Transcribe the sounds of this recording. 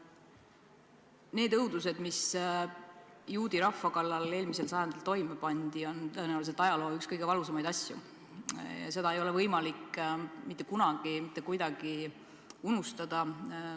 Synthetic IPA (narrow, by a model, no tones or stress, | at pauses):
ne̞ːd̪ɤwd̪us̬e̞d̪mis | juːd̪̥iɾɑfːɑkɑlːɑle̞ːlmise̞lsɑjɑnd̪elt̪o̞jmepɑnʲd̪̥io̞nt̪ɤenæwlise̞t̪ˑɑjɑlo̞ːykskɤjɡe̞vɑlus̬ɑmɑjd̪̥ɑsʲjṵ | jɑ̰se̞d̪ɑe̞jo̞le̞vɤjmɑlikmit̪ˑːe̞kunɑɡ̥imit̪ːˑe̞kujd̪ɑɡ̥i | unust̪ɑd̪̥ɑ